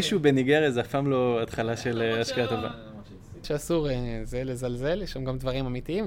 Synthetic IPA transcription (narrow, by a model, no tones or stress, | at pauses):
iʃubeniɡeʁezafamlo̞at̪χalaʃeleaʃkaat̪o̞va̰ | ʃeasuʁezelezalze̞ljeʃamɡamd̪vaʁimamit̪iim